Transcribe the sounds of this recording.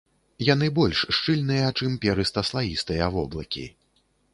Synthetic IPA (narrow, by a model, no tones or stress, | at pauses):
jan̪ɨbɔlʲʂʂt͡ʂɨlʲnɨjɐt͡ʂɨmpʲɛɾɨst̪ɐslˠajʲist̪ɨjɐvɔblˠɐkʲḭ